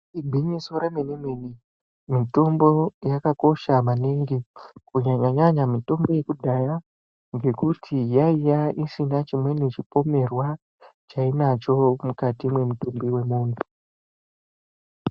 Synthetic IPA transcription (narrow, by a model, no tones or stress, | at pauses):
ibʱiɲisoɾamenimeni | mito̞mbo̞jakako̞ʃamaniŋɡikuɲaɲaɲaɲamito̞mbo̞je̞kudʱaja | ŋɡe̞kutʰijaijaʔisinat͡ʃimwe̞net͡ʃipo̞me̞rwa | t͡ʃainat͡ʃo̞mukatimwe̞mutumbiwe̞muːndu